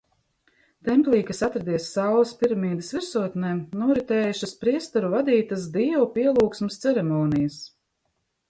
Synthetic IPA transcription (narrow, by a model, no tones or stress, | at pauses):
t̪ɛmplˠiːkasat̪ɾad̪iɛsːawlˠɐspiɾamiːd̪ɪsviɾsuɔt̪nɛːnuɔɾit̪ɛːjuʃaspɾiɛst̪uɾuvad̪iːt̪as̬d̪iɛwpʲiɛlˠuːksmɨst̪sɛɾɛmɔːnijɐs